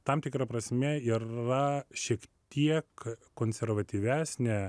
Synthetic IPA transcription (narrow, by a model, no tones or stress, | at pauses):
t̪ɐmt̪ʲɪkɾɐpɾɐsʲmʲɛiːrɐʃʲiɛkt̪ʲiɛkkːoːnʲsʲɛɾʋɐt̪ʲiːʋʲæːsʲnʲɛ